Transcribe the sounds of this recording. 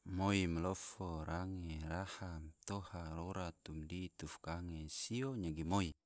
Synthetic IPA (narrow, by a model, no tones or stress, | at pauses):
moimlɔfoɾaŋeɾahamt̪ohaloɾat̪umdit̪ufkaŋesioɲaɡimoi